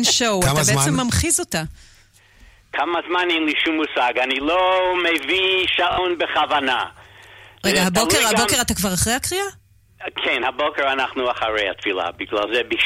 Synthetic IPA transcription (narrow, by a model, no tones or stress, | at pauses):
nʃowatabet͡ssemːamχizota | kʰamazmanɛnliʃumːusaɡanilomeviʃaʔonbeχavana | ʁeɡahabokeʁhabbokeʁatakvaʁaχʁejhakʁia | kʰɛnhabokeɾanaχnuaχaʁejhat̪fila̰biɡlalzɛbi